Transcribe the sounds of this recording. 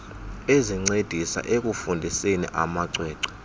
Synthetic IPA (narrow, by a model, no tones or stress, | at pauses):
eziŋ͡ǀed̥ʱisa̰ʔek̬ufundʱisenḭʔamaǀwɛːǀḁ